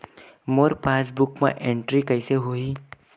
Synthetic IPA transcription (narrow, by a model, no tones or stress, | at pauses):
moːɾpaːsbʊkmã̰ʔẽɳʈɾikɐɪseɦoi